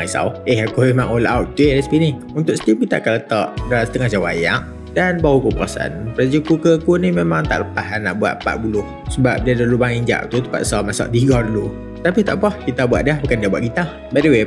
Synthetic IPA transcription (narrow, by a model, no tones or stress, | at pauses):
isa̰wehakumemãŋolawt̪̚t̪uelaspini | unt̪ʊʔksə̥t̪imkit̪a̰kalət̪aʔdalasə̥t̪əŋahd͡ʒawajaʔ | danbawukupəɾasaʔa̰npəɾad͡ʒəkukəkunimemãŋt̪a̰ʔləpaɦanːa̰ʔbua̰ʔ̪̚pa̰ʔ̚bulʊh | səbap̚diadalubaŋiɲd͡ʒa̰ʔ̚t̪ut̪əpa̰t̪salmasa̰ʔ̚diɡɔrlu | t̪apit̪aʔpahkit̪abuat̪ʔ̚diahbukandiabuaʔ̚kit̪a | badəwe